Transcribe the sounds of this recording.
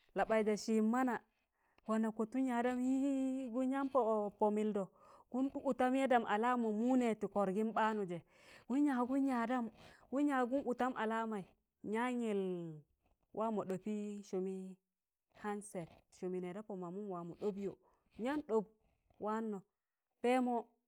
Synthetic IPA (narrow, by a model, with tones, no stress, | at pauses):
la˨ɓa˨i˨da˨ʃi˨mːa˦na˨ | wa˨na˨ko˨tu˦ɲa˨da˦mji˦ɡu˦ɲa˦mpo˨po˨mi˨ldo˨ | ɡ̥u˦nɗu˦ʔu˨ta˦m˦je˦da˨mʔa˨la˦mo˨mu˦ne˨ti˨ko˨ɾɡi˦nɓa˦nu˨d͡ʒe˨ | ɡu˦ɲa˨ɡu˦ɲa˨da˦mɡu˦ɲa˨ɡu˦nʔu˨ta˦mʔa˨la˦ma˨i˨ | ɲa˦ɲi˨l | wʔa˦mo˨ɗo˨pi˦ʃo˨mi˦ | ha˦nse˨t̚ʃo˨mi˨ne˨da˦po˨ma˨mu˦nwa˨mu˨ɗo˦bjo̰˨ | ɲa˦nɗo˦˨b | wʔa˦nːo˨ | pe˦mo˦